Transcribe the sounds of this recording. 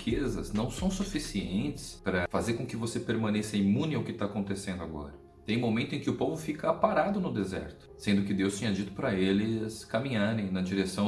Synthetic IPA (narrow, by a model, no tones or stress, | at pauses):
kʰezɐ̰znɐ̃w̃sɐ̃w̃sufisiẽnt͡ʃ̪ɪ̥spɾɐfazeɾkõkɪvosepeɾmɐ̃nesɐimũnɪʊkɪt̪aakõnt̪esẽnd̪ʊaɡɔ̰ɾɐ | t̪ẽj̃momẽnt̪ʊẽkɪʊpovʊfikɐapaɾad̪ʊnʊd̪ezɛ̰ɾt̪ʊ̥sẽnd̪ʊkɪd̪ewst͡ʃẽɲɐd͡ʒit̪ʊ̥pɾɐelɪskamĩɲaɾẽj̃nɐd͡ʒiɾesɐ̃w̃